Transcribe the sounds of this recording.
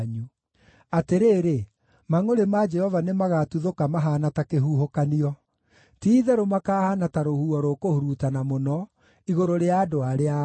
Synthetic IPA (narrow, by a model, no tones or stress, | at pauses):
ɲu | ateɾeːɾe | maŋoɾemad͡ʒɛhɔvanemaɣatuðokamaɦanatakeɦuːɦokaniɔ | tiːðɛɾomakaːhanataɾohuɔɾokohuɾutanamonɔ | iɣoɾoɾeaːdoaɾea